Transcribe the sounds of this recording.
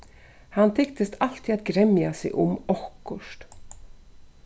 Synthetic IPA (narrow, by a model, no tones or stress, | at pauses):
hant̪ʰɪkt̪əst̪ʰal̥t̪iat̪̚ɡɾɛmjasɪ̰ʔʊmɔhkʊʂt̪